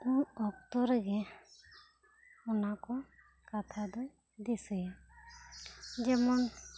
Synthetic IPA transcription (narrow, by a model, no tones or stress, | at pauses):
ũɔkt̪ɔɾɡɛ | ɔnakɔ | kat̪ʰad̪ɔ | d̪isɛjɛ | d͡ʒɛmɔn